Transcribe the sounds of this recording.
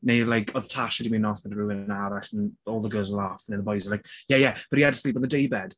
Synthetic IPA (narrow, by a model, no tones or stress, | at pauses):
neɪlaɪkʰəðtʰaʃədəmĩːnɔfməðəɹuɪ̃naɾɛtə̃nɔːlˠðəɡɜːlˠzlafə̃nəðəbɔɪzəlaɪkjæjæb̥ʌtiadsliˑp̬n̩ðədeɪbɛd̥